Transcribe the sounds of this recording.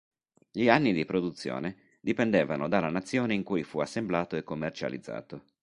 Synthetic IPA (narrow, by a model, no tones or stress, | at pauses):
ʎianːid̪ipɾod̪ut̪sːjo̰ːne | d̪ipend̪eːvanod̪alːanat̪sːjoːneiŋkujfuasːemblaːt̪oekːomːert͡ʃa̰lḭd̪zːa̰ːt̪o